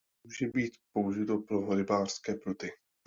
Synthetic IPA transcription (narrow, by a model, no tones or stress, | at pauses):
muːʒɛbiːt̪pouʒɪt̪opɾoɦoɾɪbaːr̥skɛːpɾut̪ɪ